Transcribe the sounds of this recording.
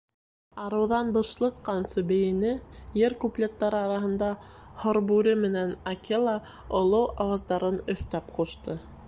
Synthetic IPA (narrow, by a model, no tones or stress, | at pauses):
ɑɾɤ̆wðɑnbɤ̆ʃlˠɤqːɑnsɤbɘ̆jɘ̆nɘjɘɾkuplʲet̪ːɑɾɤɑɾɑɦɤ̆nd̪ɑhŏɾbʉɾɘmɘ̆nænɐkelˠɑŏlˠɤwɑwɑzd̪ɑɾɤnɵ̆θt̪æpquʃt̪ɤ